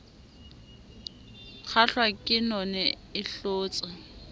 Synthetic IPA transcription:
k͡xʰaɬwakʼɪnɔnɛ | ɪɬoːt͡sʼa

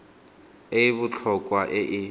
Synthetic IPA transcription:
eβʊt͡ɬʰɔkʼwaʔɪʔɪ

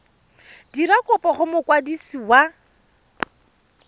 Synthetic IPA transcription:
diɾakʼʊpɔχʊmʊkwadisiwa

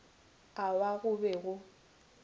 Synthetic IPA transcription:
awaɣʊbɛɣʊ

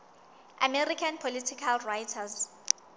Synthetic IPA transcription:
ʔa̰mɛrikʰanpʰolitʰikʰalrajtʰaz

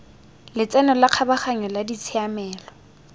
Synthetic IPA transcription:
lɪt͡sʼɛnɔlaq͡χʰabaχaɲɔladit͡sʰɪamɛːlɔ

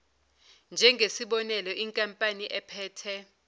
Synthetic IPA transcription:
nd͡ʒʱɛŋɡʱesiɓɔnɛlɔʔiŋkʼampʼaniʔɛpʰɛːtʰɛ

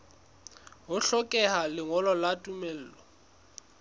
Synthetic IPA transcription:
ɦʊɬɔkʼɛɦalɪŋɔlɔlatʼumel̩ːlɔ

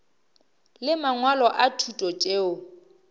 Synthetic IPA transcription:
lɪmaŋwalɔʔatʰutʼɔt͡ʃʼeːʊ

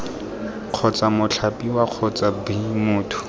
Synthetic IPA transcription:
q͡χʰɔt͡samʊt͡ɬʰapʼiwaq͡χʰɔt͡sabimʊːtʰʊ̥

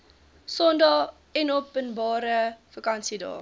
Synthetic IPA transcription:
sɔndɑː | ɛnɔpənbɑːɾəfəkɐnsidɑ̰ː

